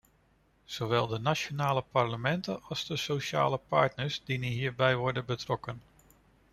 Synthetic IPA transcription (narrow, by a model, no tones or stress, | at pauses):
z̥oʋɛlˠdənaʃonaːləpɑɹləmɛntənɑlˠzdəsowʃa̰ːləpɑ̰ɹtnəɹsdiniɦiːɹbɛjʋɔɹdənbətrɔkən